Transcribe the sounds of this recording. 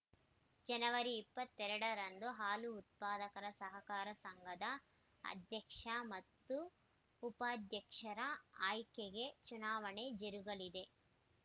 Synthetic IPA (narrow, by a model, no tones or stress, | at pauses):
d͡ʒɐnɐʋɐɾiːpːɐt̪ːɛɾɐɽɐɾɐnd̪uɦaːluːt̪̚paːd̪ɐkɐɾɐsɐɦɐkaːɾɐsɐŋɡʱɐd̪ɐ | ɐ̰d̪ʱjɐkʂɐmɐt̪ːuː | paːd̪ʱjɐkʂɐɾɐaːjkeɡe̞t͡ʃunaːʋɐɳed͡ʒeɾuɡɐlid̪e̞